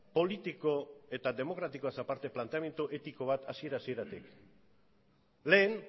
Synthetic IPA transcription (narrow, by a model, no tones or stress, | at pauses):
po̞lit̪iko̞e̞t̪ad̪e̞mo̞kɾat̪iko̞asapaɾt̪e̞plant̪eame̞nt̪uʔe̞t̪iko̞β̞at̪asie̞ɾasie̞ɾat̪ik | le̞ːn